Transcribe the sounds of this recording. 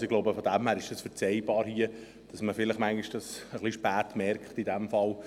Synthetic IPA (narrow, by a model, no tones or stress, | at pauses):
sɪɡloʊbəfɔd̪æmhæːɾɪʃd̥ɑsfəɾt͡sɛjb̥ɑːɾhiə | d̥ɑsməfɪlɪχmæŋɡiʃd̥ɑsəχliʃpæːtmɛɾkχtidæmfɑl